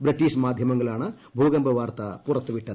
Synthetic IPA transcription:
bɾiʈːiːʂmaːd̪ʱjɐmɐŋɡɐɭaːnɐ | bʱuːɡɐmbʱɐʋaːɾt̪ɐpuɾɐt̪ːuʋiʈːɐd̪u

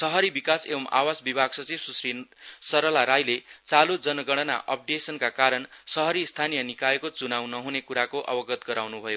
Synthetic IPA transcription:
sʌɦʌɾibikasebʌma̰wasbibʱaɡsʌt͡sibsusrisʌɾʌlaɾajlet͡salud͡zʌnʌɡʌɽ̃ʌna̰ʔʌp̚ɖesʌnkakaɾʌnsʌɦʌɾist̪ʰanijʌnikaekot͡sunaw̃nʌɦunekuɾakoʔʌ̰bʌɡʌt̪ɡʌɾawnubʱʌjo

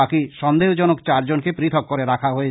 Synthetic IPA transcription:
akiʃɔnd̪eod͡ʑɔnokt͡ɕaɾd͡ʑonkepɾit̪ʰɔkːoɾeɾakʰaɦoe

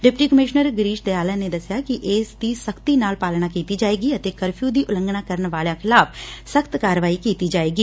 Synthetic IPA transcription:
ɖɪpʈiːkəmɪʃnəɾɡɾiːʃd̪eaːlãːneːd̪əsjaːkɪʔeːsd̪iːsəkt̪iːnaːlpaːlɳ̃aːkiːt̪iːd͡ʒaːeːɡiːət̪eːkəɾpʰjuːd̪iːʔʊlə̃ŋɡnaːkəɾənʋaːljãːkʰɪlaːpʰsəkt̪kaːɾʋaːiːkiːt̪iːd͡ʒaːeːɡiː

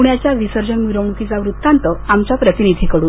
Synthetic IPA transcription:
uɳjat͡ɕjaʋisəɾd͡ʑənʋiɾəmukit͡saʋɾut̪ːãnt̪əamt͡ɕapɾət̪inid̪ʱikəɽuːn

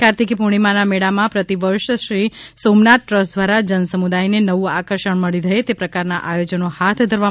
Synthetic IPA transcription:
kaɾt̪ikipuɽ̃imãnameɽamãpɾət̪iʋəɾʃʃɾi | somnat̪̚ʈɾəsd̪ʋaɾad͡ʒənsəmud̪ajnenəʋũakəɾʃəɳ̃məɭiɾəɦet̪epɾəkaɾnaʔajod͡ʒənohat̪ʰd̪ʱəɾʋa

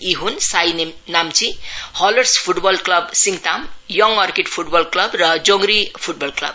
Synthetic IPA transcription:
iɦunsajnnamt͡sihʌlʌrspʰuʈbʌlklʌbsiŋt̪amjʌŋʌrkeʈpʰuʈbʌlklʌbrʌd͡zoŋɡɾipʰuʈ̚bʌlklʌ̰b

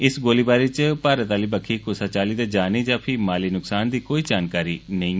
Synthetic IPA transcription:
ɪsɡoːliːbaːɾiːt͡ʃpaːɾət̪aːliːbəkʰiːkʊsaːt͡ʃaːliːd̪aːd͡ʒaːniːd͡ʒãːpʰɪmaːliːnʊksaːnd̪iːkoːiːd͡ʒaːnkaːɾiːnəĩː

